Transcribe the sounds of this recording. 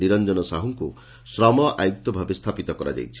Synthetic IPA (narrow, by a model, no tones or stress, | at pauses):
iɾɔnd͡ʒɔnɔsaɦuŋku | sɾamɔʔajuk̚t̪ɔbʱabest̪ʰapit̪ɔkɔɾa̰d͡ʒa̰jt͡ʃʰi̥